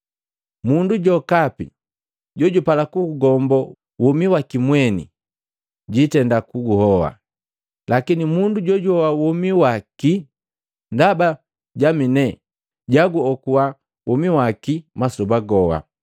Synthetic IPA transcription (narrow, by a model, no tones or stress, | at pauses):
munduɟɔkapḭ | ɟɔɟupalakuɡuɡɔmbɔ | wɔmiwakimwɛnḭ | ɟitɛndakuɡuhɔwa̰ | lakinimunduɟɔɟuhɔwawɔmiwaki | ndaba | ɟaminɛ | ɟaɡuɔkuwa | wɔmiwakimasubaɡɔwa̰